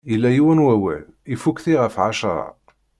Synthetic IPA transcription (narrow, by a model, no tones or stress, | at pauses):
ilːæjiwænwæwæ̰l | ifukθiʁəfʕaʃɾˤɑ̰